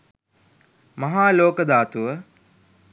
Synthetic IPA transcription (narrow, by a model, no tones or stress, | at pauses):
mɐɦaːloːkəd̪aːt̪uʋə